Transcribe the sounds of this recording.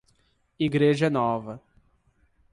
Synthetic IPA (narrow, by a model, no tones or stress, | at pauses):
iɡɾeʒɐnɔvɐ